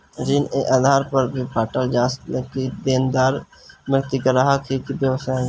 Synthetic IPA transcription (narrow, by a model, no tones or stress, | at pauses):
d͡ʒɪneʔaːd̪ʱaːɾpəɾbʱipaːʈəld͡ʒaːsekid̪eːnd̪aːɾ | məɾt̪ikəɾaɦakʰikibjəʋəsaːẽ